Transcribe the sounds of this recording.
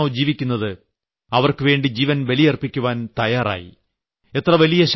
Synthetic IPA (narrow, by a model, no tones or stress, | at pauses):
d͡ʑiːʋikʲːunːɐðɨ | ɐʋɐrkɨʋe̞ːɳɖid͡ʑiːʋɐnʋɐlijɐrpːikʲːuʋaːnt̪ɐjaːra̰ːjḭ | e̞t̪ːrɐʋɐlijɐɕ